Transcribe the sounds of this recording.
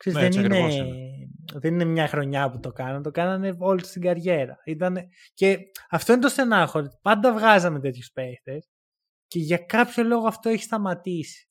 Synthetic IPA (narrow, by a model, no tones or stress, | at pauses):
ksezzðennine | ðeninemɲɐxɾo̞ɲɐput̪o̞kɐnɐnt̪o̞kɐnɐneo̞lit̪st̪iɡɐɾʝe̞ɾɐ̰it̪ɐne | ce̞ɐft̪o̞inet̪osθe̞nɐxoɾit̪pɐnd̪ɐvɣɐzɐme̞t̪̬e̞t̪çuspe̞kt̪es | ce̞ʝɐkɐpço̞lo̞ɣoɐft̪o̞eçi̥st̪ɐmɐt̪isi̥